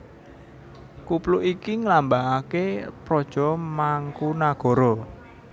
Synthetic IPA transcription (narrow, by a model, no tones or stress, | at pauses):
kupluʔikiŋlambaʔakepɾɔd̥ʒ̥ɔ̤maŋkunaɡ̥ɔ̤ɾɔ